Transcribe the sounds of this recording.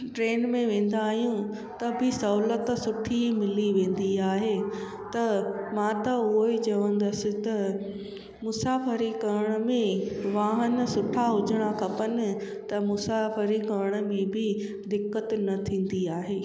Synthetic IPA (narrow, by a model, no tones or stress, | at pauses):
ʈɾeːnmẽʋẽːn̆d̪aːɦijũ | t̪ɐbʱɪsɐɦlət̪sʊʈʰimɪliʋẽːn̆d̪iaːɦeː | t̪ɐmãːt̪ɐʊɦoit͡ɕɐʋə̃n̆d̪ɐsɪ̆t̪ɐ | mʊsaːfəɾikɐəɽ̃̆mẽʋaːɦənsʊʈʰaɦʊd͡ʑʱəɽ̃akʰɐpənɪ̆ | t̪ɐmʊsaːfəɾikɐɾəɽ̃̆mẽbʱɪ | d̪ɪkːət̪nɐt̪ʰĩːn̆d̪iaːɦeː